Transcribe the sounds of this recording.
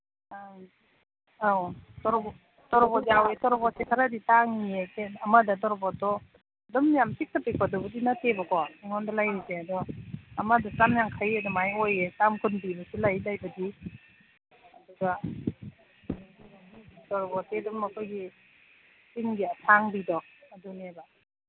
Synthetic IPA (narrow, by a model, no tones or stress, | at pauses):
a | awtɔɾɔbɔ | tɔɾɔbɔjawetɔɾɔbɔsekʰaɾaditaŋiekʰenɐmɐdɐtɔɾɔbɔtɔ | dɔmjamsik̚tapikʰɔdɔbudinatebɐkɔiŋɔndalajɾizeɐdɔɐmadɐsamjaŋkʰajadɔmajojesamkunbibɐsilajlajbɐdi | ɐduɡa | iitɔɾɔbɔtedɔmɐkʰojɡi | siŋɡiatʰaŋbidɔɐduneba